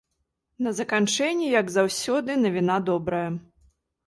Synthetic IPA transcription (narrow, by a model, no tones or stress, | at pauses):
nɐzɐkant͡ʂɛnʲːijɐɡzawsʲɔd̪ɨnɐvʲinad̪ɔbɾɐjɐ